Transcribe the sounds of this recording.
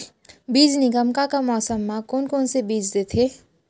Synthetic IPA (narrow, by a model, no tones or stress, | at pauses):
bid͡ʒniɡəmkakamɔːsəmːakonkonsebid͡ʒd̪et̪ʰe